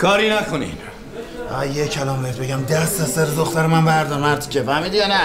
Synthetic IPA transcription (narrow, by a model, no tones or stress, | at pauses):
kʰɒːɾiːnækʰonḭd | æ̰jekʰælɒːmbet̪beɟæmd̪æst̪æsæɾed̪oxt̪æɾemænvæɾd̪ɒɾmæɾt̪ʰi̥cʲefæmiːd̪ijɒːnæ